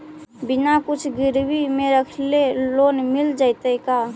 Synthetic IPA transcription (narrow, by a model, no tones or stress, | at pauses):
binakut͡ʃʰɡiɾbimeɾəkʰlelonmild͡ʒaɪt̪əka